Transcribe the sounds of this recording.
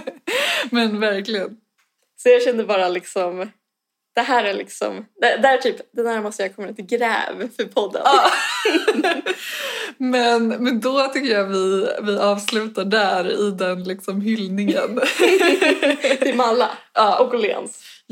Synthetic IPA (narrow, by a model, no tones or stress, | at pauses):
mɛnvæɾklɪɡən | sɔjɑːɕɛnd̪əbɑːɾalɪksɔm | d̪̥ɛɦæːɾæɭɪ̰ksɔ̰md̪ɛd̪æːʈʰyːpd̪ɛnhæːɾmɔst̪əjakʰɔmːəɾɪnt̪ɪɡɾɛ̰ːvfœɾpʰɔd̪ːə̰nː | mɛnmɛnd̪ɔt̪ʰʏkːəɾjavɪvɪʔɑːvslʉ̟ːt̪aɖæɾɪd̪ɛnlɪksɔmɦʏlnɪŋən | t̪ʰɪmalːa̰ɑːʔɔkʊlḛns